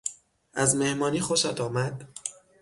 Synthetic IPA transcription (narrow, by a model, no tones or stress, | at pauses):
ʔæzme̞hmɒːniːxoʃæd̪ɒːmæd̪̥